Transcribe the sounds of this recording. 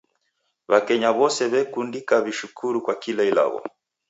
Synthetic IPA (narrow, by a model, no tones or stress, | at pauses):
βakɛɲaβɔsɛβɛkundikaβiʃukʰuɾukwakilaila̰ɣɔ̰